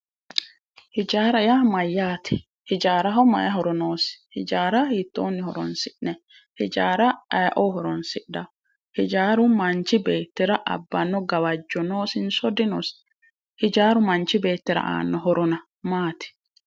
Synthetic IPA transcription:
hɪd͡ʒaːɾɐjamɐjːaːt̪ʰɪ | hɪd͡ʒaːɾɐɦɔmɐ̰jɐɦɔɾɔnoːsɪ̥hɪd͡ʒaːɾɐhɪt̪ːo̰ːnːɪhɔɾɔ̰nsɪʔnɛ | hɪd͡ʒaːɾɐɐjʔoɦɔɾɔnsɪʔdɐ | hɪd͡ʒaːɾʊmɐnt͡ʃːɪbeːt̪ːɪɾɐʔɐ̰bːɐnːɔɡɐwɐd͡ʒːɔnoːsɪnsɔd̪ɪnos | hɪd͡ʒaːɾʊmɐnt͡ʃːɪbe̞ːt̪ːɪɾɐ̰ʔa̰ːnːɔɦɔɾʔɔnɐ | maːt̪ɪ̥

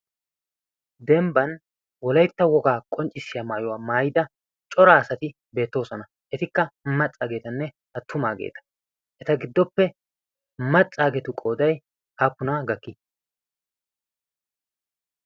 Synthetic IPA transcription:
d̪ɛmbɐn | wɔlɐjt̪ːɐwɔɡaːkʼɔnt͡ʃʼːɪsːɪjaːmaːjɔwaːmaːjɪd̪ɐ | t͡ʃʼɔɾaːɐsɐt̪ɪ | be̞ːt̪ːo̞ːsɔnɐ | ʔɛt̪ɪkːɐmɐt͡sʼːaːɡe̞ːt̪ɐnːɛ | ɐt̪ːʊmaːɡḛːt̪ɐ̥ | ʔɛt̪ɐɡɪd̪ːɔpːɛ | mɐt͡sʼːaːɡɛt̪ʊkʼo̞ːd̪ɐj | haːpːʊnaːɡɐkːɪ

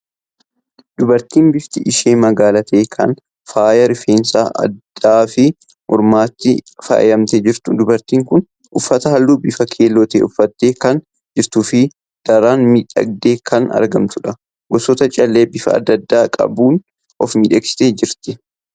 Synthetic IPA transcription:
d̪ʊbɐɾt̪iːnbɪft̪ɪʔɪʃeːmɐɡaːlɐt̪eːkʰɐ̰n | faːjɐɾɪfeːnsaːʔɐ̰d̪ːaːfɪ | mʊɾmaːt̪ːɪfa̰ːʔjɐmt̪ɛd͡ʒɪɾt̪ʊd̪ʊbɐɾt̪iːŋkʊn | ʔʊfːɐt̪ɐhɐlːuːbɪfɐkʰeːlɔt̪ḛːʔʊfːɐt̪ːeːkɐn | d͡ʒɪɾt̪ʊfɪ | d̪̥ɐɾaːnmiːᶑɐ̰ɡ̚d̪e̞ːkʰɐnɐ̰ɾɡɐmt̪ʊᶑɐ | ɡɔsɔt̪ɐt͡ʃʼɐlːeːbɪfɐ̰ɐ̰d̪ːɐd̪ːaːkʼɐ̰buːn | ʔɔfmiːᶑɐksɪ̥t̪eːd͡ʒɪɾt̪ɪ

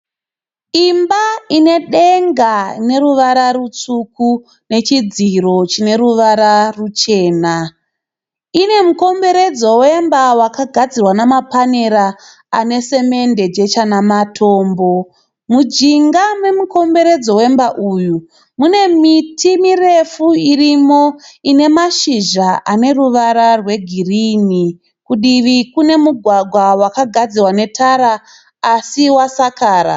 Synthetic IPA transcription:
imbaine̞ɗeŋɡane̞ruʋaɾarut͡suku | ne̞t͡ʃid͡ziro̞t͡ʃine̞ɾuʋaɾarut͡ʃe̞ːna | ine̞muko̞mbe̞ɾe̞d͡zo̞we̞mbawakaɡʱad͡zirwanamapaneɾa | ane̞se̞me̞nde̞d͡ʒe̞t͡ʃanamatʰo̞ːmbo̞ | mud͡ʒiŋɡame̞muko̞mbe̞ɾe̞d͡zo̞we̞mbaʔuːju | mune̞mitʰimire̞fuirimo̞ine̞maʃiʒaʔane̞ruʋaɾarwe̞ɡʱirini | kuɗiʋikune̞muɡʱwaɡʱwawakaɡʱad͡zirwane̞tʰaɾaː | siwasakaːɾa̰

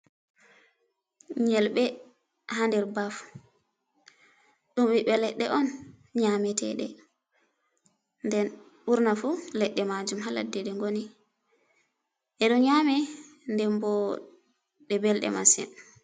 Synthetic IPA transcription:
ɲɛlɓɛ | handɛɾbaf | ɗumwiɓɛlɛɗːɛʔɔn | ɲamɛtɛ̰ɗɛ̰ | ndɛn | ɓuɾnafulɛɗːɛmad͡ʒumɦala̰dːɛɗɛŋɡoni | ʔɛɗɔɲamɛ | ndɛmbɔ | ɗɛbɛlɗɛ̰masɛ̰n

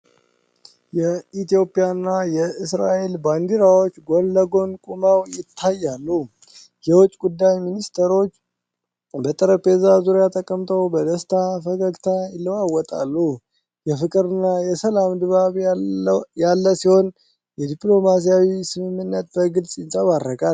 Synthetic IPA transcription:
jɛit̪jo̞pʼijanːajɛɨsɾaʔe̞lband̪iɾawo̞t͡ʃːɡolːəɡo̞nkʼumawjɪt̪ʰːajːalːu | jɛwɔt͡ʃʼːɡud̪ːajminist̪ʰəɾo̞t͡ʃː | bət̪ʼəɾəpʰe̞zazuɾjat̪ʼəkʼəmt̪ʰəwbəd̪əst̪ʰafəkəkt̪ʰajɪlːəwawɔt̪ʼa̰lːu | jɛfɨkʼɨɾɨnːajɛsəlamd̪βaβ | jalːəsiho̞n | jɛd̪ipʼlo̞mas̬ijawisɨmɨmːɨnːət̪̚bəɡɨlsʼjɪnsʼəβaɾːəkʼal

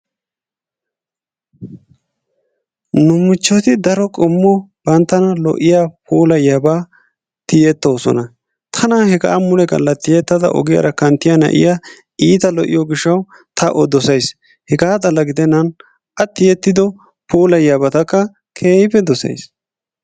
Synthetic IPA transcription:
nʊmʊt͡ʃːɔt̪ɪd̪ɐɾɔkʼɔmːɔb̥ɐnt̪ːɐnɐlɔ̰ʔɪjaːpʰuːlɐjɐba | t̪ɪjɛt̪ːoːsɔ̰nɐ | t̪ʰɐnɐhɛɡa̰ːmʊlɛɡɐ̰lːɐt̪ːɪjɛt̪ːɐd̪ɐ̰ʔɔ̰ɡɪjɐ̰ɾɐkɐnt̪ːɪjɐnɐ̰ʔɪ̰ja | iːt̪ɐlɔʔɪ̰jɔɡɪʃːɐw | t̪ʰɐʔɔd̪ɔsɐjs | hɛɡaːd̪ʼɐlːɐɡɪd̪ɛnːɐn | ʔɐt̪ːɪjɛt̪ːɪd̪ɔ | puːlɐjɐbɐt̪ɐkːɐ | kʰeːhɪpːɛd̪ɔsɐ̰js

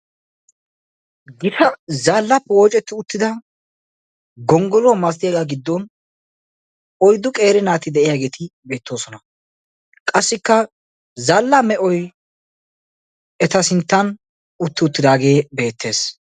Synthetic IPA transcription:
ɡɪʃɐzaːlːɐpːɛwɔːt͡ʃʼɛt̪ːɪʊt̪ːɪd̪ɐ | ɡɔŋɡɔlɔmɐst̪ɪjaɡaɡɪd̪ːɔn | ɔjd̪ʊkʼe̞ːɾɪnaːt̪ɪd̪ɛʔɪjaːɡe̞ːt̪ɪbe̞ːt̪ːo̞ːsɔnɐ | kʼɐsːɪkːɐ | zɐlːɐmɛʔɔj | ɛt̪ɐsɪnt̪ːɐn | ʊt̪ːɪʊt̪ːɪd̪aːɡe̞ːbe̞ːt̪ːe̞ːs

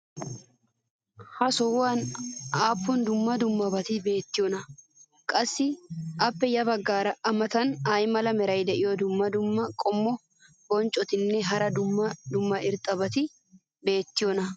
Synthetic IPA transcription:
hɐsɔwaːnaːpːʊnd̪ʊmːɐd̪ʊmːɐbɐt̪ɪbe̞ːt̪ːɪjɔnɐ | kʼɐsːɪʔɐpːɛjɐbɐɡːaːɾɐɐmɐt̪ɐnaːjmɐlɐmɛɾɐjd̪ɛʔɪjɔd̪ʊmːɐd̪ʊmːɐkʼɔmːɔ | bɔnt͡ʃʼːɔt̪ɪnːɛɦɐɾɐd̪ʊmːɐd̪ʊmːɐɪɾt̪ʼɐbɐt̪ɪ | be̞ːt̪ːɪjɔnɐ

